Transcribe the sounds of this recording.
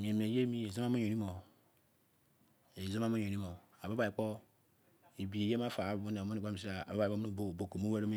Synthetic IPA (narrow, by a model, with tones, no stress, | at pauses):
mi˨e˨m˨e˨je˦mi˦e˨zo˦ma˦mo˦o˨ɾi˦mo˨ | e˨zo˦m˦a˦mo˦ɲo˨ɾi˦mo˨ | a˨bo˦ba˨i˨k͡po˦ | i˨bi˨e˨je˦ma˦fa˨˦bbu˦ne˨mo˦i˨o˦˨i˨si˦a˨a˨a˦ba˨o˦nu˦˨bo˦˨bo˨ko˨m˦o˦we˦ɾo˦me˦